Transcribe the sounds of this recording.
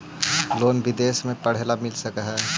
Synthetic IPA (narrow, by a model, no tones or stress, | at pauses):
loːnbɪd̪eːsmẽpəɽ̤eːlamɪlsəkəɦɛː